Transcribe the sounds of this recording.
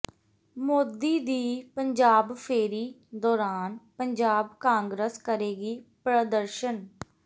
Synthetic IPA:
moːd̪iːd̪iːpəɲd͡ʒaːbpʰeːɾiː | d̪ɔːɾaːnpəɲd͡ʒaːbkãːŋɡɾəskəɾeːɡiːpɾəd̪əɾʃən

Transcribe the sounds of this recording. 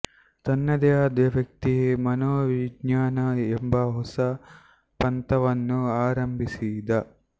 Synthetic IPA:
t̪ɐnːɐd̪ɛjaːd̪jɐʋjɐk̚t̪iɦemɐnoːʋiɡɲaːnɐembɐɦɔsɐ | pɐnt̪ɐʋɐnːuaːɾɐmbʱisid̪ɐ

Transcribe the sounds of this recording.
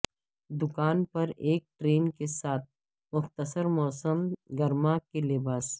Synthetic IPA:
d̪ʊkaːnpɐɾeːk̚ʈɾeːnkesaːt̪̚ | mʊxt̪əsəɾmɔːsəmɡɐɾmakelɪbaːs

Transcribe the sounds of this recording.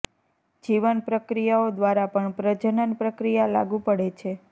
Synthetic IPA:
d͡ʒiʋənpɾəkɾijaod̪ʋaɾapəɳpɾəd͡ʒənənpɾəkɾijala̰ɡũpəɽet͡ʃʰe

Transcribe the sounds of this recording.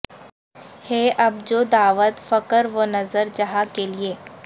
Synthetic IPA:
heːʔɐb̚d͡ʒoːd̪aːʋət̪fɐkəɾʋonɐzəɾd͡ʒɐɦakelieː

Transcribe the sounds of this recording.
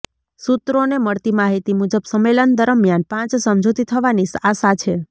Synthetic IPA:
sut̪ɾoneməɭt̪imaɦit̪imud͡ʒəbsəmelənd̪əɾəmjanpãt͡ʃsəmd͡ʒʱot̪it̪ʰəʋanisasat͡ʃʰe

